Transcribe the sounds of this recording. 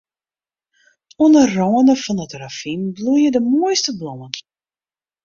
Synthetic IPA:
uənərrɔənəfɔnətrafimblujədəmuəjstəblɔən

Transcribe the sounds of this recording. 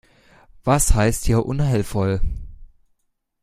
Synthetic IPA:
v̥ashaɪsthiːɐʔʊnhɦaɪlfɔl

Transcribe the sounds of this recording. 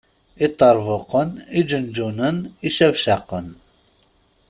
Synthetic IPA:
it̪ˤːɑɾˤvəqənid͡ʒənd͡ʒunəniʃævʃæqən

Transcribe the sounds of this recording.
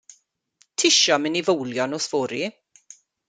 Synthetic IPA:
tʰɪʃɔmɪnivowljɔnɔsv̥oːɾi

